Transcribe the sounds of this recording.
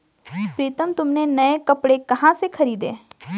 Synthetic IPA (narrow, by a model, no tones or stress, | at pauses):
pɾiːt̪əmt̪ʊmnenɐekɐpɽekɐɦãsekʰɐɾiːd̪ḛ̃ː